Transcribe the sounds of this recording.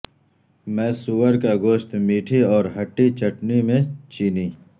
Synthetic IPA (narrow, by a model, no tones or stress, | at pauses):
mɛ̃ːsuwəɾkaɡoːʃt̪miːʈʰiɔːɾɦɐʈːit͡ʃɐʈnimẽt͡ʃiːniː